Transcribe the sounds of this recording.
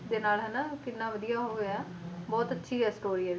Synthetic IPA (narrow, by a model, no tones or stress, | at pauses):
d̪eːnaːlɦɛnaːkɪnːãːʋəd̪ijaːɦoːɡeː | bɔːt̪ətːʃʰiːɦɛːsʈoːɾiːɛː